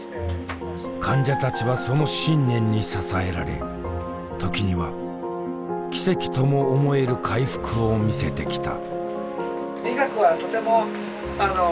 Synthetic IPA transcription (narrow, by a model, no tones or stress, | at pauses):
kʰãɲ̟d͡ʑat̪at͡ɕiβaso̞no̞ɕĩnnẽ̞ɲ̟ːisasae̞ɾa̰ɾe̞̰ | t̪o̞kʲiɲ̟iβa | kʲi̥se̞kʲi̥t̪o̞mo̞ːmo̞e̞ɾɯ̟kʰaiɸɯ̟̥kɯ̟o̞mʲise̞t̪e̞kʲi̥t̪a̰ | ɾʲiɡakɯ̟βat̪o̞t̪e̞mo̞ | ano